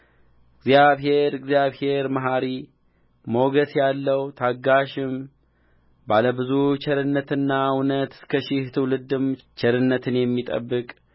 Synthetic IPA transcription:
ɨɡzjaβɦe̞ɾɨɡzjaβhe̞ɾmaɦaɾi | moɡəsjalːəwt̪ʰaɡaʃɪm | baləbɨzut͡ʃʰɛɾɨnːət̪ɨnːawnət̪ɨ̥skʰəʃɪht̪ʰɨwlɨd̪ɨmt͡ʃʰɛɾɨnːət̪ʰɨnjɛmːit̪ʼə̰bːɨkʼ

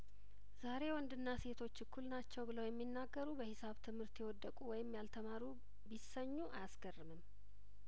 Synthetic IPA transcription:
zaɾe̞wɔnd̪ɨnːase̞t̪ʰo̞t͡ʃːɨkʰːulnat͡ʃːɛwbɨləwjɛmːinːaɡːəɾubəhɪsaβt̪ʰɨmhɨɾt̪jɛwɔd̪ːəkʼuwɔjɪmːjalt̪ʰəmaɾu | bisəɲːuʔajasɡərːɨmɨm

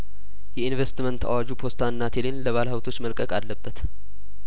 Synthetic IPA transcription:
jɛinvest̪mənt̪a̰wad͡ʒupʰo̞st̪ʰaɨnːat̪ʰelenləβalhawt̪ʰo̞t͡ʃːməlkʼəkʼalːəbːət̪

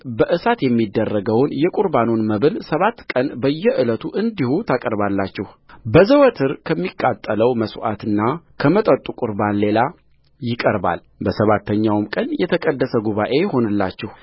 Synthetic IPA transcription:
bəʔɨsat̪jɛmːid̪ːərːəɡəwnjɛkʼuɾbanonməβɨlsəβat̪ːkʼənbəjːɛʔɨlət̪ʰuʔɨnd̪ihut̪ʰakʼəɾbalːat͡ʃːɪh | bəzəwət̪ʰɨɾkʰəmːikʼːat̪ʼːələwməsʔa̰t̪ɨnːakʰəmət̪ʼət̪ʼːukʼʊɾbanle̞la | jɪkʼəɾba̰l | bəsəβat̪ʰːəɲːawmkʼənjɛt̪ʰəkʼəd̪ːəsəɡuβaʔe̞jho̞nɨlːa̰t͡ʃːɪh

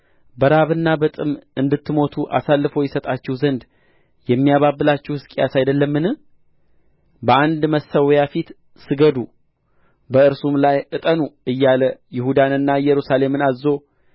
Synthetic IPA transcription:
bəɾaβɨnːabət̪ʼɨmʔɨnd̪ɨt̪ːɨmo̞t̪ʰuʔa̰salːɨfo̞jɪsət̪ʼat͡ʃːɛhuzənd̪ | jɛmːijaβabːɨlat͡ʃːɛwhɨskʼijasajd̪əlːəmːɨnɨ | bəʔand̪məsːəwjafit̪ | sɨɡəd̪u | bəɨɾsumlajʔɨt̪ʼənuʔɨjːaləjɪhud̪anɨnːajɛɾusale̞mɨnazo̞

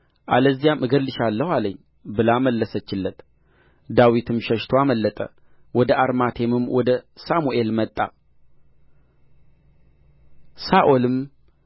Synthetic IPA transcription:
ʔaləzːijamʔɨɡəlːɨʃalːəhwaləɲː | bɨlaməlːəsət͡ʃːɪlːət̪ | d̪awit̪ʰɨmʃəʃt̪ʰoaməlːət̪ʼə̰ | wɔd̪əʔaɾmat̪ʰe̞mɨmwɔd̪əsamuʔe̞lmət̪ʼːa̰ | saʔolɨm

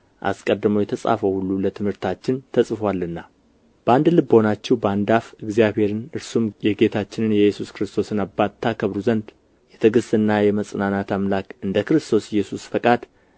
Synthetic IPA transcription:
ʔa̰skʼəd̪ːɨmowjɛt̪ʰəsʼa̰fəwhulːulət̪ʰɨmhɨɾt̪ʰat͡ʃːɪnt̪ʰəsʼfwalːɨnːa | b̥əand̪lɨbːəhonat͡ʃːɛwbəand̪afɨɡzjabhe̞ɾɨnɨɾsumjɛɡe̞t̪ʰat͡ʃːɪnɨnjɛjɛsuskɨɾɨst̪ʰo̞sɨnabːat̪ʰːakʰəβɾuzənd̪ | jɛt̪ʰəɡɨsɨnːajɛməsʼnanat̪amlakɨnd̪əkɾɨst̪ʰo̞sjɛsusfəkʼad̪

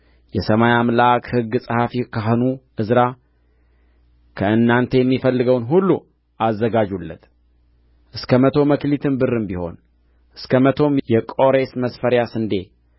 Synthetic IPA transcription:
jɛsəmajamlakhɨɡːsʼɨhafikʰaɦnuʔɨzɾa | kʰəɨnːant̪ʰe̞jɛmːifəlːɨɡəwnɦulːu | azːəɡad͡ʒulːə̰t̪ | ʔɨskʰəmət̪ʰo̞məklit̪ʰɨnbɨrːɨmbiho̞̰n | ʔɨskʰəmət̪ʰo̞mjɛkʼo̞ɾe̞sməsfəɾjasɨnd̪e̞

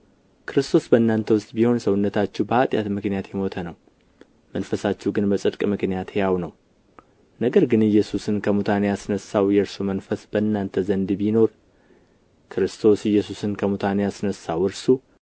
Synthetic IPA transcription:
kʰɨɾɨst̪ʰo̞sbənːant̪ʰəwʊst̪ʼbiho̞nsəwʊnːət̪ʰat͡ʃːɛwbəat̪ʼja̰t̪mɨknijat̪jɛmo̞t̪ʰənəw | mənfəsat͡ʃːɛhɡɨnbəsʼɨd̪kʼmɨknijat̪ejawnəw | nəɡəɾɡɨnɨjːɛsusɨnkʰəmut̪ʰanejasɨnəsawjɛɾsumənfəsbəɨnːant̪ʰəzənd̪bino̞ɾ | kʰɾɨst̪ʰo̞sɨjːɛsusɨnkʰəmut̪ʰanejasnəsːawɨɾsu

